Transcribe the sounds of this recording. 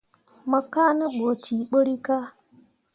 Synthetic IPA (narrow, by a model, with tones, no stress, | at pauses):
mɔ˨ka˦nə˦ɓo˨ti˨k͡po˦ɾi˦ka˦